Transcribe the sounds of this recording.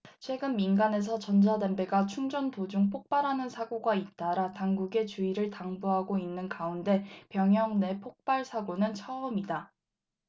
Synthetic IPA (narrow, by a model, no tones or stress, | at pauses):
t͡ɕʰwe̞ɡɯnminɡane̞s̬ʰʌt͡ɕʌnd͡ʑʰadembeɡat͡ɕʰuŋd͡ʑʌntod͡ʑuŋpʰok̚p͈aɾɦanɯnsʰaɡoɡait̚t͈aɾataŋɡuɡe̞t͡ɕuiɾɯɭtaŋbuɦaɡoinːɯnkaunde̞pjʌŋɦjʌŋne̞pʰok̚p͈aɭsʰaɡonɯnt͡ɕʰʌʌmida